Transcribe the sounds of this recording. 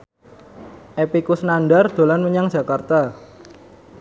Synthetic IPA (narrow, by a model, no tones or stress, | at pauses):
ʔepikusnanɖard̪̥o̤lanməɲaŋ̥ʒ̥a̤kart̪a